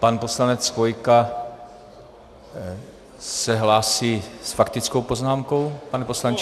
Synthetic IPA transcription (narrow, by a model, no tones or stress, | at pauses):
panpo̞slanɛt͡svojka | sɛɦlaːsiːsfakt̪ɪt͡skowpo̞znaːmko̞wpanɛpo̞slaɲt͡ʃ